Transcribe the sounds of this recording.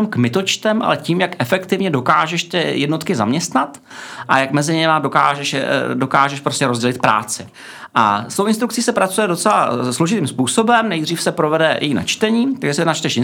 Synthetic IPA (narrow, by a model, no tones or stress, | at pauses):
mkmɪt̪o̞t͡ʃt̪ɛmʔa̰lɛciːmjakʔɛfɛkt̪ɪvɲɛdo̞kaːʒɛʃt̪ɪjɛdno̞t̪kɪza̰mɲɛst̪nat̪ | ʔa̰jakmɛzɪɲɛmado̞kaːʒɛʃɛdo̞kaːʒɛʃpɾoscɛɾo̞zɟɛlɪt̪̚pɾa̰ːt͡sɪ | ʔa̰st̪owʔɪnst̪ɾuk̚t͡siːsɛpɾat͡sujɛdo̞t͡sɛla̰slo̞ʒɪt̪iːmspuːso̞bɛmnɛjd̪riːfsɛpɾovɛdɛjɛ̰jina̰t͡ʃt̪ɛɲiːt̪aɡʒɛs̬it̪nat͡ʃt̪ɛʃɪ